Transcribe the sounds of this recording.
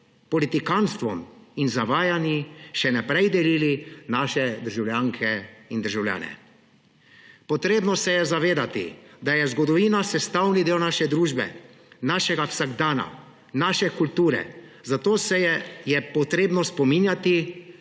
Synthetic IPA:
pɔlit̪ikanst̪ʋɔminzaʋaːjaniʃɛnɛpɾɛjd̪ɛliːlinaːʃɛd̪əɾʒawljaːŋkʰɛind̪əɾʒawlja̰ːnɛ̰ | pɔt̪ɾeːbnɔsɛjɛzaʋeːd̪at̪ḭd̪ajɛzɡɔd̪ɔʋiːnasɛst̪awnid̪eːwnaʃɛd̪ɾuːʒbɛ̰ | naːʃɛɡawsaɡd̪aːna̰ | naːʃɛkult̪uːɾɛ̰zat̪oːsɛjɛpɔt̪ɾeːbnɔspɔminjat̪i

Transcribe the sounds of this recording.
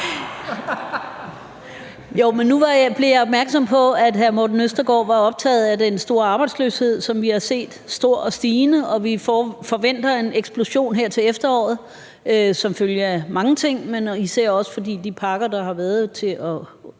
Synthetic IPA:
joʊmenːuʋɑ̈jb̥leɐjɑ̈ɒ̽b̥̚mæɐɡ̥sɒ̽m̰pʰɒ̽æd̥ɦæɐmod̥n̩øsd̥ɐɡ̥ɒ̰ːʋɑ̈ɒ̽b̥̚t͡sʰɛ̰ːð̩ˠæd̥ensd̥o̝ːɐɑ̈b̥ɑ̈ɪdslø̰she̝ð̞̰ˠsɒ̽mʋihɑ̈se̝̰ːd̥sd̥o̝ɐ̰ɒ̽sd̥iːnəɒ̽ʋifɒʋen̰d̥ɐe̝neɡ̥sb̥lo̝ɕo̝̰ːnɦeɐ̰t͡sʰe̝lefd̥ɐɒ̰ːð̞̩ˠ | øsɒ̽mføljəæmɑ̈ŋət͡sʰe̝ŋ̰menise̝ɐ̰ɒ̽sə̥fɒ̽d̥ḭːd̥ipʰɑ̈ɡ̥ɐd̥ɑ̈ɦɑ̈ʋæːɐð̞ˠt͡sʰe̝ɒ̽

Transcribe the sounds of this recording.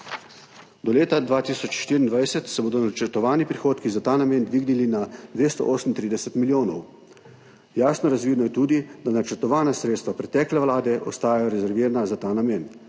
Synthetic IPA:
d̪ɔleːt̪ad̪ʋaːt̪iːsɔt͡ʃʃt̪iːɾind̪ʋajsɛt̪sɛboːd̪ɔnat͡ʃəɾt̪ɔʋaːnipɾixoːt̪kizat̪aːnameːnd̪ʋiːɡnilinad̪ʋeːst̪ɔ̰ʔoːsəmnt̪ɾiːd̪ɛsɛt̪miljoːnɔw | jaːsnɔɾazʋid̪nɔjɛt̪uːd̪id̪anat͡ʃəɾt̪ɔʋaːnasɾeːt̪st̪ʋapɾɛt̪ɛːklɛʋlaːd̪ɛʔɔ̰st̪aːjajɔɾɛzɛɾʋiːɾanazat̪aːnameːn

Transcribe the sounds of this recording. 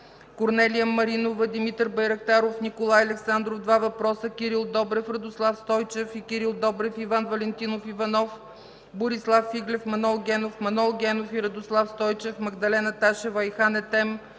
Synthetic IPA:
koɾnɛlijəmɐɾinovəd̪imit̪əɾbɐjɾɐkt̪aɾofnikolˠajɐlɛksand̪ɾofd̪vavɐpɾɔsəkʲiɾilˠd̪ɔbɾɛfɾɐd̪oslˠafst̪ɔjt͡ʃɛfikʲiɾilˠd̪ɔbɾɛfivanvɐlɛnt̪inofivɐnɔf | boɾislˠafːiɡlʲɛfmɐnɔlˠɡʲɛnofmɐnɔlˠɡʲɛnofiɾɐd̪oslˠafst̪ɔjt͡ʃɛfmɐɡd̪ɐlɛnət̪aʃɛvəixanɛt̪ɛm

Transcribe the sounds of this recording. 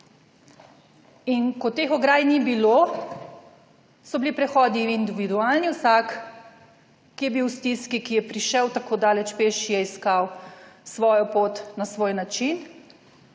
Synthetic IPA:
inkɔt̪eːxɔɡɾaːjnibilo | sɔbilipɾɛxɔːd̪iːnd̪iʋid̪uaːlniwsak | ijɛbiwst̪iskikijɛpɾiʃɛwt̪akoːd̪aːlɛt͡ʃpeːʃijɛiskawsʋɔːjɔpot̪nasʋoːjnat͡ʃin

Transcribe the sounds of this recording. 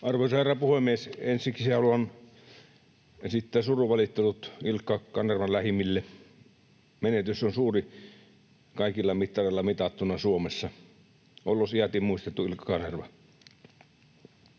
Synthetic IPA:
ɑrʋoˑsɑerɑpuhemˑiesensˑiksseolon | sit̪ːæsuruʋɑlit̪ːelut̪ilkːɑkɑnerʋɑlæhimilːe | menet̪ysːonsuːri | kɑˑikilːɑmit̪ːɑreˑlːɑmit̪ɑt̪ːunɑsuomesːɑ | olːosiæt̪imuist̪et̪ːuilkːˑɑ̥kɑnerʋɑ

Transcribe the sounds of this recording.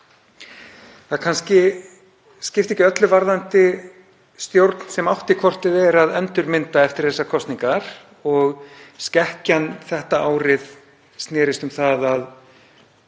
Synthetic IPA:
θakʰanscɪ | scɪft̪ɪɛhcːɪœt̪lʏvaɾðant̪ɪ | st̪jowɾt̪n̥sɛmawht̪ɪkʰvɔr̥t̪ɪðɛɾaðɛnt̪ʏɾmɪnt̪aɛft̪ɪɾ̥θɛsːakʰɔst̪niŋkaɾ̥ | ɔɣscɛhcanθɛht̪aaːwɾɪð | st̪nɛːɾɪst̪ʏmθaðað

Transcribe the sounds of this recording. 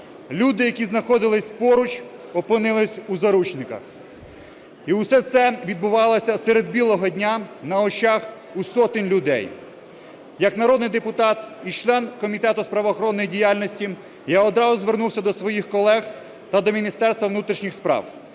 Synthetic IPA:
lʲud̪ɪjɐkʲiznɐxɔd̪ɪlˠɪsʲpɔɾʊt͡ʃɔpɪnɪlˠɪsʲuzɐɾut͡ʃnɪkɐ̰x | iwsɛt̪sɛʋʲid̪̚bʊʋɑlˠɔsʲɐsɛɾed̪̚bʲilˠɔɦɔdʲnʲanɐɔt͡ʃɑx | usɔt̪ɪnʲlʲʊd̪ɛ̰j | jɐknɐɾɔd̪nɪjd̪epʊt̪ɑt̪it͡ʃlˠɛnkɔmʲit̪ɛt̪ʊspɾɐʋɔːxɔɾɔnːɔjidʲijalʲnʲɔsʲtʲi | jaɔd̪ɾɑzʊzʋernuwsʲɐd̪ɔsʋɔjixkɔlˠɛx | t̪ɐd̪ɔmʲinʲist̪ɛrst̪ʋɐʋnut̪ɾʲiʃnʲixspɾɑ̰w

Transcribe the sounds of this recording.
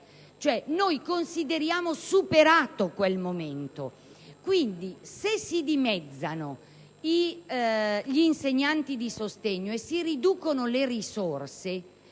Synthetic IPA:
t͡ʃoɛnojkonsid̪eɾjaːmosupeɾaːt̪okwelmoment̪o̰ | kwind̪isesːid̪imɛd̪zːano | i | ʎːnseɲːant̪id̪isost̪eɲːoesːiɾid̪uːkonolerisorse

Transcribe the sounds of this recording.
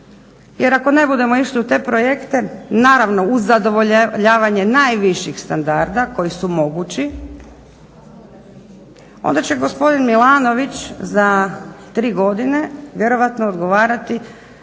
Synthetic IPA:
jeɾako̞ne̞bud̪e̞mo̞iʃliut̪e̞ːpɾo̞jekt̪e̞naːɾaʋno̞uzːad̪o̞ʋoʎʎaːʋaɲe̞najʋiʃixst̪and̪aɾd̪ako̞jisumo̞ɡut͡ɕi | o̰nd̪at͡ɕe̞ɡo̞spo̞d̪inmilˠaːno̞ʋit͡ɕzat̪ɾiːɡo̞d̪ineʋje̞ɾo̞ʋat̪noːd̪ɡo̞ʋaːɾat̪i

